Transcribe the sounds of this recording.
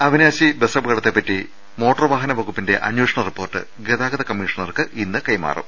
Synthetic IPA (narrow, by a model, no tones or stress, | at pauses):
ɐʋinjaːɕibesɐbɣɐɽɐt̪ːepːɐtːi | mo̞ːʈːɐrʋaːɦɐnɐʋɐɣupːinde̞ʔɐ̰njoːʂɐɳɐripːo̞ːrʈːɨ̰ | ɡeðaːɡɐðɐkɐmːiʂɐɳɐrkɨʔinːɨkɐjma̰ːrṵm